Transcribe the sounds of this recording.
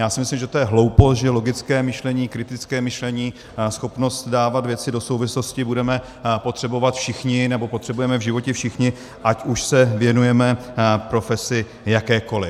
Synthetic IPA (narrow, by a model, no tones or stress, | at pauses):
jaːsɪmɪslimʒɛt̪ojɛɦlowpost̪ʒɛlo̞ɡɪt͡skɛːmɪʃlɛɲiːkɾɪt̪ɪt͡skɛːmɪʃlɛɲiː | sxo̞pnost̪daːvat̪vjɛt͡sɪdo̞sowvɪsloscɪbudɛmɛ | pot̪r̥ɛbovat̪fʃɪxɲɪnɛbo̞pot̪r̥ɛbujɛmɛvʒɪvo̞cɛfʃɪxɲɪ | ʔacuʃsɛvjɛnujɛmɛpɾofɛsɪ | jakɛːko̞lɪ